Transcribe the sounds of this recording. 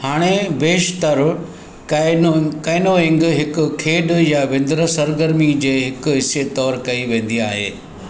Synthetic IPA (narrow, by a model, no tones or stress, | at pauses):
haːɽ̃ebeːʃt̪əɾ | kɐːɪnoɪ̃ŋɡɦɪkʊ̆kʰeːɖjaʋɪ̃nd̪ɾəsɐɾɡəɾmid͡ʑeːɦɪkʊɦɪset̪ɔːɾkɐiʋẽːn̆d̪iaːɦḛː